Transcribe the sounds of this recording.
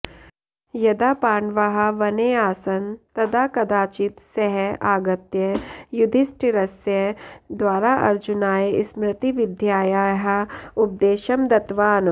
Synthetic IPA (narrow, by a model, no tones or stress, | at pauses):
jɐd̪aːpaːɳʋɐɦɐʋɐneːaːsɐnt̪ɐd̪aːkɐd̪aːt͡ʃit̪sɐɦɛaːɡɐt̪jɐjʊd̪ʱɪsʈiɾɐsjɐd̪waːɾaʔɐ̰ɾd͡ʒʊnaːeɪsmɾɪt̪iʋɪd̪ʱjaːjaːjɦɐʊp̚d̪eːʃɐmd̪ɐt̪ʋaːn